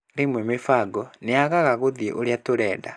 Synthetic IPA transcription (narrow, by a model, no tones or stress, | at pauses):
ɾemwemefaɡɔneaɣaɣaɣoðjḛʔoɾjatoɾɛːda